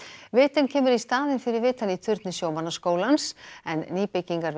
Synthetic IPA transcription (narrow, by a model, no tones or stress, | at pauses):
vɪːt̪ɪncʰɛːmʏɾist̪aːðɪnfɪɾɪɾvɪːt̪anit̪ʰʏɾt̪nɪsjoːwmanːaskoːwlansɛnːiːpɪcːiŋkaɾ